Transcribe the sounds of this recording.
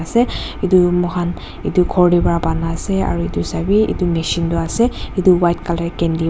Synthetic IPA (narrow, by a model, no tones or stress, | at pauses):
asɛitumɔɦan | ḭtukʰɔɹdipɔɹabanasɛa̰ɹuitusabiḭtumeʃintʊasɛituwajtkalɛkɛndi